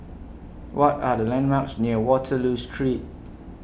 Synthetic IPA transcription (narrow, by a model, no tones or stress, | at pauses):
wʔɔtadəlɛ̃nmaʊtsniəwɔtʰəlustʰɹit̚